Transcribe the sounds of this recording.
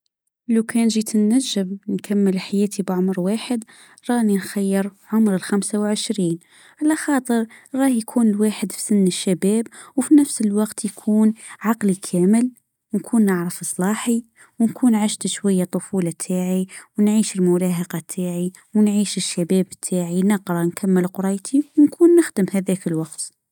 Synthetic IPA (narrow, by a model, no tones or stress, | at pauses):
ʔlakʰæːnʒiːt̪ʰənːaʒːɪmnkʰamːəlħajæːt̪ʰibʕʊmɾwaːħɪd̪ | ɾˤɑːhninxajːɪɾʕʊmɾɪlxamsawlʕɪʃɾiːn | ʕalaxɑːt̪ˤɨɾɣɑːhjkʰuːnɪlwaːħɪd̪fi̥sʊnːəʃːabæːbwfinafsəlwɑqt̪jkʰuːnʕɑqlikʰaːmɪl | wnkʰuːnːaʕɾɑfɨsˤlɑːħi | wnkʰuːnʕaʃt̪ʃwajːat̪ˤːʊfuːlɑt̪ʰaːʕiwnʕiːʃɪlmʊɾɑːɦɑqɑt̪ʰːaːʕi | wnʕiːʃɪʃːabaːbt̪ʰːaːʕinɪqɾˤɑnkʰamːɪlqʊɾˤɑjt̪ʰiwnkʰuːnːɪxd̪ɪmhaðæːkɪlwɑqt̪